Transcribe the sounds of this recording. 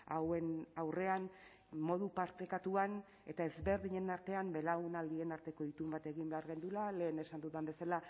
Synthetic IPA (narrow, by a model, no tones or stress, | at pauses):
awe̞nawre̞an | mo̞ð̞upaɾt̪ekat̪uan | e̞t̪ae̞zβe̞ɾðiɲe̞naɾt̪e̞ambe̞laenald̪ie̞naɾt̪e̞ko̞it̪umbat̪e̞ɣimbe̞aɾɣe̞nd̪ulale̞ːne̞sand̪uðambe̞sala